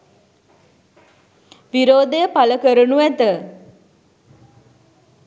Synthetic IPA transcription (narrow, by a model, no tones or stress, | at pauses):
ʋiɾoːd̪əjəpaləkəɾənuæt̪ə